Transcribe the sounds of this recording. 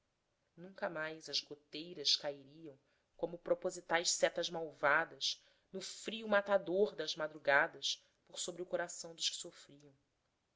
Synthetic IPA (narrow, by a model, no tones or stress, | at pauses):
nũŋkɐmajzɐzɡot̪ejɾɐʃkaiɾiɐ̃w̃ | kõmʊpɾopozit̪ajʃsɛt̪ɐʒmawvad̪ɐʃ | nʊfɾiumat̪ad̪oɾd̪ɐzmad̪ɾuɡad̪ɐʃ | poɾsobɾiʊkoɾasɐ̃w̃d̪ʊʃkɪ̥sofɾiɐ̃w̃